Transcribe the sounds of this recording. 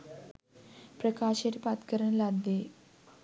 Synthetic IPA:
pɾəkaɕeʈpat̪kəɾəɳlad̪ːe

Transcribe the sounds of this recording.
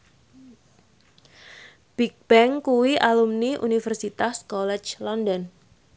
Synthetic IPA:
b̥ik̚b̥ɛŋkuwiʔalumniʔṵnifərsit̪askɔlɛt͡ʃlɔndɔn

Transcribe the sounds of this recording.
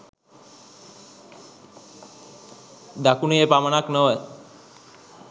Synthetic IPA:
d̪akuniepamanaknɔe

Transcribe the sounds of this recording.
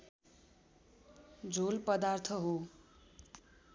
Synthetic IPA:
d͡zʱolpʌd̪art̪ʰʌɦo

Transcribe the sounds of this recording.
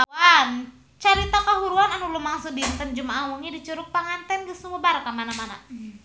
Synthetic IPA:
an | t͡ʃaɾit̪akaɦuɾuananulumaŋsudint̪ənd͡ʒumaːwuŋidit͡ʃuɾʊk̚paŋant̪ɛnɡəsumubaɾakamanamana̰

